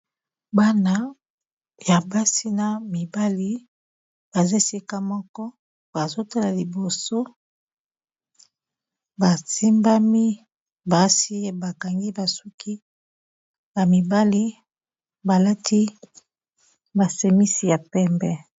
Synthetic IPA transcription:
ba˦na˦ | ja˨ba˦si˦na˨mi˨ba˦li˦ | b̥a˨ze˦si˦ka˦mɔ˦kɔ˦ | ba˨zo˦ta˦la˨li˨bo˨so˦ | ba˨si˦mba˦mi˦ | ba˨si˦˨ba˨ka˨ŋɡi˦ba˨su˦ki˦ | ba˨mi˨ba˦li˦ | ba˨la˦tʰi˦ | ba˨se˨mi˦si˨ja˨pɛ˦mbɛ˦

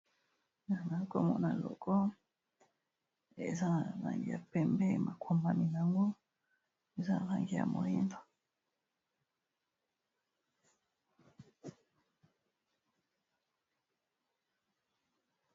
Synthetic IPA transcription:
na˨na˨˦ko˦˨mo̰˨na˨lo̰˨ko˦ | e˨za˦a˨ɾa˨ŋɡi˨ja˨pɛ˨mbe˦ma˨kʰwo˨mba˨ni˨na˨ŋɡo˦ | e˦za˦a˨ɾa˨ŋɡi˨ja̰˨mo˨li˦ndo̥˨

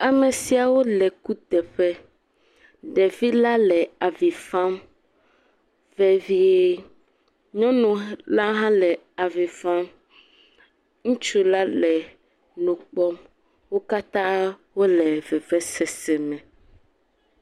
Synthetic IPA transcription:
a˨me˨si˨a˨wo˦lɛ˨ku˦t̪ɛ˨ɸɛ˦ | ɖɛ˨vi˦la˦lɛ˨a˨vi˨fã˦m | vɛ˨vi˦e˦ | ɲɔ̃˦nũ˨la˦ɦã˦lɛ˨ | a˨vi˨fã˦m | ŋũ˦t͡ʃu˦la˦lɛ˨ | nũ˨k͡pɔ˦m | wo˦ka˦t̪ã˦wo˦lɛ˨vɛ˨vɛ˦sɛ˨sɛ˨mɛ̃˨

